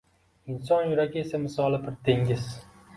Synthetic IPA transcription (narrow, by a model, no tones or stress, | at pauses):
ɪnsɒnjʊɾaɡʲaesamɪsɒlˠɪbɪɾt̪ʰeŋʲɪz